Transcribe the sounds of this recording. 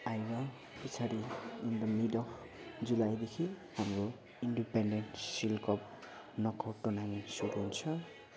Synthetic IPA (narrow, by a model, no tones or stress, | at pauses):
ajba | pit͡sʰaɾiːnd̪ʌmidɔk | d͡ʒulajd̪ekʰihamɾo | inɖipenɖenʈsilkɔp̚ | nɔkɔʈonaŋisudensʰʌ